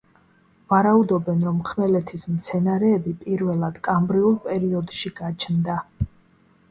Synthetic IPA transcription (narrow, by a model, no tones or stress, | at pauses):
vaɾaud̪ɔbɛnɾɔmχʰmɛlɛt̪ʰismt̪sʰɛnaɾɛːbipʼiɾvɛlˠad̪̥kʼambɾiulˠpʼɛɾiɔd̪ʃiɡat͡ʃʰnd̪a